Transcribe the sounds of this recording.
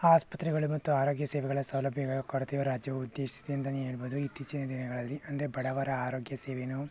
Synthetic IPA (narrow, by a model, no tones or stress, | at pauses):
aːspɐt̪ɾiɡɐɭumɐt̪ːuaːɾo̞ːɡjɐseːʋɛɡɐɭɐsɐwlɐbʱjɐɡɐɐkɐɽt̪ijoːɾaːd͡ʒjɐʋud̪ːe̞ːʂsi̥t̪ijɐnt̪ɐnieːɭboːd̪uit̪ːiːt͡ʃinɐd̪inɐɡɐɭɐlːiʔɐnd̪ɾebɐɽɐʋaːɾɐaːɾoːɡjɐseːʋenu